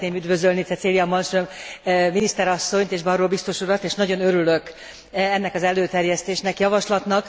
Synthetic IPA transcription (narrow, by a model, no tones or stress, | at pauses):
t̪neːmyd̪vø̞zølnit͡sɛt̪seːlijɒmɒnʃømminist̪ɛɾɒsːo̞ɲt̪eːʒbɒroːbist̪o̞ʃuɾɒt̪eːʃnɒɟo̞nøɾylø̞k | ɛnːɛkɒzɛløːt̪ɛrjɛst̪eːʃnɛkjɒvɒʃlɒt̪nɒk